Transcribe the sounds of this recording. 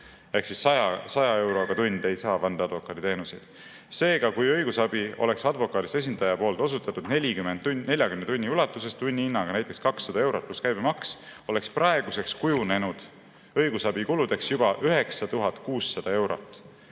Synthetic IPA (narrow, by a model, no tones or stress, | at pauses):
ehksisːɑjɑsɑjɑe̞wɾo̞ɡ̥ɑt̪unʲd̪e̞jsɑːvɑnd̪̥ɑɑd̪vo̞kːˑɑd̪it̪e̞ːnuse̞̰d̪̥ | se̞ːɡ̥ɑkujɤjɡ̥usɑb̥io̞̰le̞ksɑd̪vo̞kːˑɑːd̪ise̞s̬ʲind̪ɑjɑpo̞ːlt̪ˑo̞s̬ut̪ːˑɑt̪ːˑud̪̥ne̞lʲikymːend̪̥̚ne̞lʲjɑkymnet̪unʲːiulɑt̪ːˑuse̞st̪t̪unʲːiinːɑɡ̥ɑnæjt̪ːˑe̞kskɑksːɑd̪ɑe̞wɾo̞t̪̚pluskæjbemɑkso̞le̞ksprɑe̞ɡ̥use̞kskujune̞nud̪̥ | ɤjɡ̥usɑbikulud̪̥e̞ksjub̥ɑʔyɦe̞ksɑt̪uɦɑt̪kuːsːɑd̪̥ɑe̞wɾo̞̰t̪ːˑ